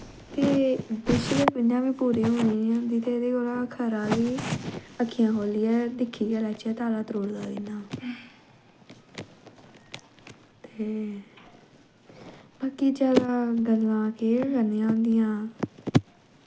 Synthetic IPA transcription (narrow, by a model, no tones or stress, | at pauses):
t̪eːbɪt͡ʃleːpɪnãːʋiːpuːɾeːɦoːneːãːnd̪iːt̪eːd̪eːkoːlaːkʰəɾãːʋiːəkʰːijãːɦoːliːɛːd̪ɪkʰːiːɛːlɛːt͡ʃɛːt̪aːlaːt̪əɾoːɽd̪aːd̪ɪnaː | t̪eː | baːkiːd͡ʒaːd̪aːɡəlːãːkeːɾəneːãːõnd̪ɪjãː